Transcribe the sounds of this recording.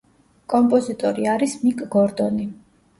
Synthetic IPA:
kʼɔmpʼɔzit̪ʼɔɾiaɾismikʼɡɔɾd̪ɔni

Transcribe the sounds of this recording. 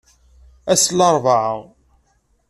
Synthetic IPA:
æslɑɾˤvaʕə̰ʁ

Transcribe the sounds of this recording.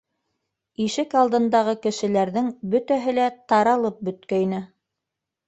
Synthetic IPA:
iʃɘkɑlˠd̪ɤ̆nd̪ɑʁɤkɘ̆ʃɘ̆l̪æɾðɘŋbɵt̪æɦɘlæt̪ɑɾɑlˠɤp̚bɵ̆t̪kæjnɘ

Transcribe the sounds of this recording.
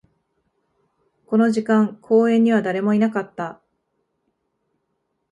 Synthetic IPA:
ko̞no̞ʑikãŋkʰo̞ːẽ̞ɲ̟ːiβ̞ad̪aɾe̞mo̞inakat̪ːa

